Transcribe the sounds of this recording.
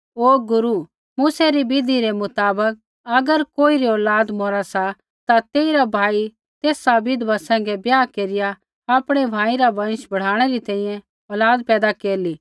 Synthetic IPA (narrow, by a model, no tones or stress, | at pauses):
oːɡʊɾu | muːsɛɾibɪd̪ʱiɾɛmʊt̪aːbək̚ | ɐɡəɾkoːiɾiɔːlaːd̪mɔːɾasa | t̪at̪eːiɾabʱaːi | t̪eːsabɪd̪ʋasɛ̃ːŋ̆ɡɛbjaːkeːɾɪja | aːpɽ̃ɛbʱaːiɾabɐ̃nʃbɐɽ̤aːɽ̃ɛɾit̪ɛ̃ːĩjɛ̃ | ɔːlaːd̪pɛːd̪akeːɾliː